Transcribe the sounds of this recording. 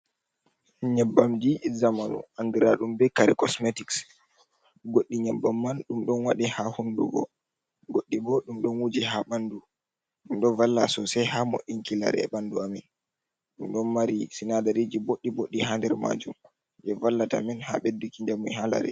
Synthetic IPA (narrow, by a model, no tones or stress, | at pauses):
ɲɛbːamd͡ʒizamanṵʔaŋɡiɾaɗumbɛkaɾɛkɔsmetiks | ɡoɗːiɲɛbːamːanɗumɗɔnwaɗihahundṵɡɔ̰ | ɡoɗːibɔɗumɗɔnwud͡ʒɛɦaɓandu | ɗumɗɔnvalːasɔsɛjhamo̰ɗːinkila̰ɾɛ̰ɓanduamɛn | ɗumɗɔnmaɾisinadaɾed͡ʒiboɗːiboɗːiɦandɛɾma̰ːd͡ʒum | d͡ʒɛvalːata̰mɛnha̰ɓɛdːukiɲd͡ʒamujɦala̰ɾɛ̰